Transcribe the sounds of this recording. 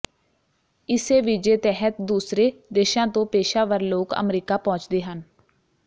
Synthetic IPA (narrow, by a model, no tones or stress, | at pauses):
ɪseːʋɪd͡ʒeːt̪ɛːɦət̪̚d̪uːsɾeːd̪eːʃãːt̪õːpeːʃaːʋəɾloːkə̰mɾiːkaːpɔ̃ːt͡ʃd̪eːɦən